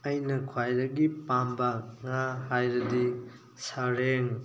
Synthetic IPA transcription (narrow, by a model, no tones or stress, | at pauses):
ɐjnɐkʰwajɾɐɡipambɐŋahajɾɐdi | sɐɾeŋ